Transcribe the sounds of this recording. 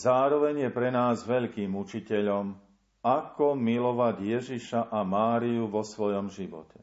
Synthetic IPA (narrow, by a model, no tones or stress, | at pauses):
zaːɾɔʋɛɲjɛpɾɛnaːzʋɛʎkiːmut͡ʃicɛʎɔm | akɔmilɔʋaɟjɛʒiʃaʔamaːɾijuʋɔsʋɔjɔmʒiʋɔ̰cɛ